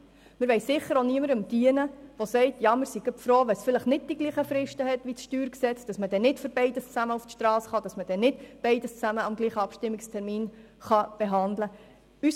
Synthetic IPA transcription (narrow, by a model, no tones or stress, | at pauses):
mɪɾʋɛɪssɪχːəɾoniəməɾəmd̥iənəʋosɛɪtjɑmɪɾsiɡœpfɾoːʋɛsfɪləχnɪd̚d̥iɡ̥liːχəfɾɪʃtəɦɛtʋit͡sʃtyːɾksɛt͡sd̥ɑsməd̥ɛnɪtføɾbɛɪdəst͡sæməuftʃtɾɑːsχɑd̥ɑsməd̥ɛnɪtb̥ɛɪdəst͡sæməɑmɡliːχəɑpʃtɪmːɪkstʰɛɾmiːn | χɑb̥eɦɑndlə | ys